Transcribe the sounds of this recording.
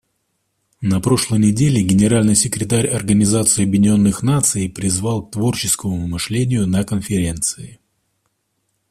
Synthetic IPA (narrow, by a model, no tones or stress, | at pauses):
nɐpɾo̞ʂlˠəjnʲɪdʲelʲɪɡʲɪnʲɪɾalʲnɨjsʲɪkɾʲɪt̪aɾʲɐrɡənʲɪzat̪sɨɐbʲjɪnʲɪo̞nːɨxnat̪sɨjpɾʲɪzvalˠk̚t̪vo̞rt͡ɕɪskəmʊmɨʂlʲenʲɪjʊnɐkənfʲɪɾʲe̞nt̪sɨɪ